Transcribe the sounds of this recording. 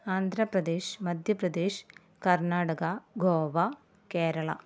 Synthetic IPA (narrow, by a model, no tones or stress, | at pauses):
aːnd̪ʱɾɐpɾɐd̪eːʃmɐd̪ʱjɐpɾɐd̪eːʃ | kɐɾnaːɽɐɡɐɡoːʋɐ | keːɾɐɭɐ̰